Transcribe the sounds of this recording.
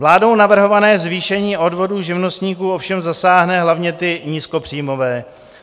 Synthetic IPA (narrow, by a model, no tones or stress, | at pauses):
vlaːdo̞wnavr̩ɦo̞vanɛːzviːʃɛɲiːʔo̞dvo̞duːʒɪvno̞st̪ɲiːkuːofʃɛmzasaːɦnɛɦlavɲɛt̪ɪɲiskopr̝̥iːmo̞vɛː